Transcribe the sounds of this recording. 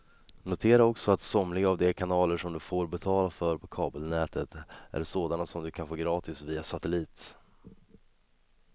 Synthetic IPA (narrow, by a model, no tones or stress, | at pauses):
nʊt̪ʰeːɾaɔksɔat̪sɔmlɪɡaavd̪ɛkʰanɑːləʂɔmd̪ɵfoːɾbɛt̪ʰɑːlafœɾpʰɔkʰɑːbəlnɛːt̪ʰət̪ʔæ̰ɖsoːd̪anasɔmd̪ɵkʰanfoːɡɾɑːt̪ɪsviːasat̪ɛliːt̪